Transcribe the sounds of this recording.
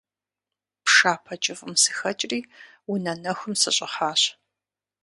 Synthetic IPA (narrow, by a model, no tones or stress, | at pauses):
pʂaːpʰɐt͡ʃʼɪfʼʊmsɨ̥xɐt͡ʃʼriː | unɐnɐxʷʊmsɨ̰ɕʼɪχaːɕ